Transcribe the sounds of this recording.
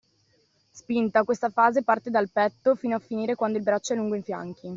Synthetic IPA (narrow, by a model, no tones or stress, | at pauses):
spint̪akwest̪afaːzepart̪ed̪alpɛt̪ːofiːnoafːiniːɾekwand̪oilbɾat͡ʃːoɛlːuŋɡoiɱfja̰ŋk̟i